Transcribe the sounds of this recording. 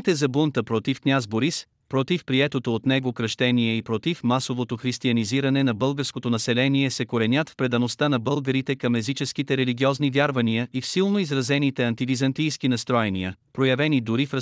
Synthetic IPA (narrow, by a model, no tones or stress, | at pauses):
t̪ɛzɐbunt̪əpɾɔt̪ifknʲazboɾis | pɾɔt̪ifpɾiɛt̪ot̪oːt̪nɛɡokɾəʃt̪ɛniɛipɾot̪ifmasovot̪oxɾist̪iɐniziɾɐnɛnɐbɤlˠɡəɾskot̪onɐsɛlɛniɛsɛkoɾɛnʲat̪fpɾɛd̪ɐnost̪anɐbɤlˠɡəɾit̪ɛkɐmɛzit͡ʃɛsk̟it̪ɛɾɛliɡʲiɔznivʲjaɾvɐnijəifsilˠnoizɾɐzɛnit̪ɛɐnt̪id̪izɐnt̪ijskinɐst̪ɾɔjɛnḭəpɾojɐvɛnid̪ʊɾifɾə